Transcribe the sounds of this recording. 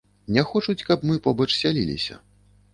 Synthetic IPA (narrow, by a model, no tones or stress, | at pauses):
nʲɛxɔt͡ʂut͡sʲkɐpmɨpɔbɐt͡ʂsʲalʲḭlʲḭsʲɐ̰